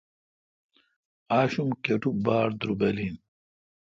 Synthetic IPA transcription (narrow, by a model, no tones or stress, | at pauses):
aːɕumkeʈubaːɾd̪ɾubelin